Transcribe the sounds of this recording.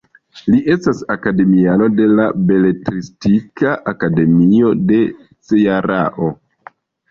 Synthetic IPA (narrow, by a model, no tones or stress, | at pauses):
liʔe̞stasakade̞miano̞de̞labe̞le̞tɾistikaʔakade̞mio̞de̞ | t͡sejaɾaʔo̞